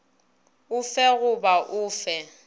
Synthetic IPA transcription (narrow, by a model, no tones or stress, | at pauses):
ʊfɛɣʊbaʔʊːfɛ